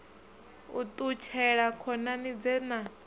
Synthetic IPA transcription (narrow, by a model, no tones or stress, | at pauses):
ut̪ʼut͡ʃʰɛɺakʰɔnanid͡zɛna